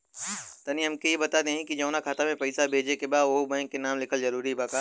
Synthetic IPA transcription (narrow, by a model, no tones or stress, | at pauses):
t̪ɐniɦɐmkejebɐt̪aːd̪eɦɛ̃kid͡ʒɐ̃wnakʰaːt̪amẽpɐɪsabʱeːd͡ʒekebaːd̪ʋobɐ̃ŋkːenaːmlɪkʰəlzɐɾuːɾiɦɛbaːkaː